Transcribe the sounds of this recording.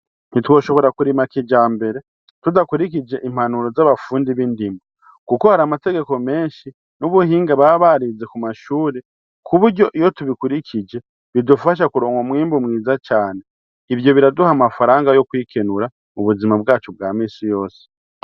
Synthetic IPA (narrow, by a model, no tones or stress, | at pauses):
nitwo̞ːʃo̞βo̞ɾakuɾimakid͡ʒaːmbe̞ɾe̞ | tudakuɾik̬id͡ʒe̞ʔim̥hanuɾo̞zaβafuːndiβindimbu | kuko̞haɾamate̞ɡe̞ko̞me̞ːnʃi | nuβuhiːŋɡaβaβaɾize̞kumaʃuːɾe | kʰuβuɾɟo̞ʔijo̞tuβikuɾikʰid͡ʒe̞ | βidufaʃ̬akuɾo̞ːŋɡomŋiːmbumŋiːzat͡ʃaːne | iβjo̞βiɾaduhamafaɾaːŋɡajo̞kwiːkenuɾa | muβuzimabɡaːt͡ʃob̚ɡaːmiːsijo̞ːse̥